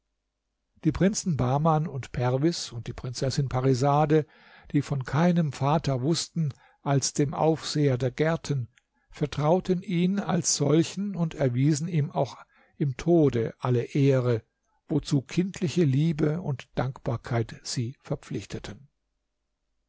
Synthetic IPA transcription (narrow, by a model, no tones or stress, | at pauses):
d̥iːpʁ̥ɪnt͡sn̩baːmanʊntpʰɛʁvɪsʊnt̚d̥iːpʁ̥ɪnt͡sɛsɪnpʰaʁizaːdə | d̥iːfɔnkʰaɪnəmfaːtɐvʊstn̩ | ʔalsd̥eːmʔa̰ʊfz̥eːɐdeːɐɡɛɐtʰən | fɛɐtʁ̥aʊtəniːna̰lsz̥ɔlçn̩ʊntʰɛɐviːzn̩iːma̰ʊx | ʔɪmtʰoːdəʔaləʔeːʁə | vot͡suːkʰɪntʰlɪçəliːbəʊntd̥aŋkb̥aːɐkʰaɪtz̥iːfɛɐp͡flɪçtʰətʰən